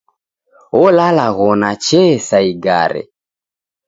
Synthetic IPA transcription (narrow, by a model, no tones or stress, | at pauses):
ɔlalaɣɔnat͡ʃɛsaiɡa̰ɾɛ̰